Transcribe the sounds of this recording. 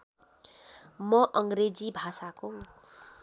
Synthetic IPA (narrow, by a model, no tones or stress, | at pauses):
mʌʔʌŋɡɾed͡zibʱasako